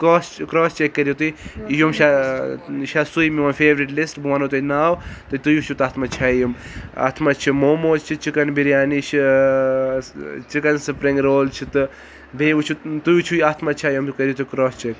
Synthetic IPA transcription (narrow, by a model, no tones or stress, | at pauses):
koːskɾɔːst͡ʃekːɐɾjot̪ujjomʃa | ʃasujmiʋɐnfʰeːʋɾiʈlisʈbanot̪ujnaːwt̪ɨt̪ujut͡ʃʰut̪aːt̪ʰmɐt͡ʃʰajuma̰t̪ʰmɐt͡ʃʰimoːmoːt͡ʃt͡ʃʰit͡ʃikɐnbiɾjaːnit͡ʃʰi | t͡ʃikɐnsɨpɾiŋɡɾoːlt͡ʃʰit̪ɨ | beːut͡ʃʰut̪ujut͡ʃʰujat̪ʰmɐt͡ʃʰaːjomkɐɾjot̪ukɾoːst͡ʃek